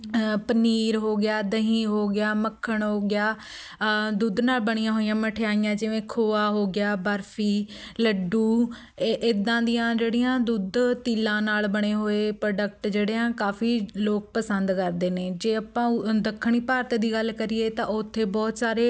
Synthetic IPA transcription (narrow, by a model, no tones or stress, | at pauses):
pəniːɾɦoːɡɪjaːd̪əɦĩːɦoːɡɪjaːməkʰːəɳɦoːɡɪjaː | d̪uːd̪naːlbəɽ̃ijãːɦoːijãːməʈʰejaːijãːd͡ʒɪʋẽːkʰoːaːɦoːɡɪjaːbəɾfʰiːləɖuː | ʔɪd̪ãːd̪ɪjãːd͡ʒeːɽijãːd̪uːd̪t̪iːlãːnaːlbəɽ̃eːɦoːeːpɾoːɖək̚ʈd͡ʒeːɽeːãːkaːfʰiːloːk̚pəsənd̪kəɾd̪eːneːd͡ʒeːapãːd̪əkʰːəɳ̃iːpaːɾt̪ːd̪iːɡəlkəɾiːeːt̪ãːʊt̪ʰːeːbɔːt̪saːɾeː